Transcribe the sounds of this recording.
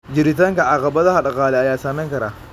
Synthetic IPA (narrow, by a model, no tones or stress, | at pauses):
d͡ʒɪɾit̪ɐŋkɐʔaqɐbɐd̪ɐhaɗɐqaːlɛajaːsaːnɐŋkɐɾa